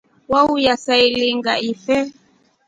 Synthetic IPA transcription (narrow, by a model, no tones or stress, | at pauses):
waujasailiŋɡaifɛ